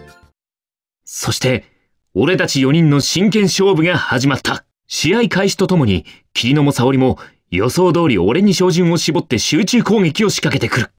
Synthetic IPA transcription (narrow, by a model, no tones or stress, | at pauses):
so̞ɕi̥t̪e̞ | o̞ɾe̞t̪at͡ɕijo̞ɲ̟ĩnːo̞ɕĩŋkẽ̞ɰ̃ɕo̞ːbɯ̟ɡahaʑimat̪ʰːa | ɕiaikaiɕi̥t̪ot̪o̞mo̞ɲ̟ḭkʲʰiɾʲino̞mo̞sao̞ɾʲimo̞ | jo̞so̞ːd̪o̞ːɾʲio̞̰ɾe̞ɲ̟iɕo̞ːʑĩɰ̃o̞ɕibo̞t̪ːe̞ɕɨːt͡ɕɨːko̞ːŋe̞kʲio̞ɕi̥kake̞t̪e̞kɯ̟ɾɯ̟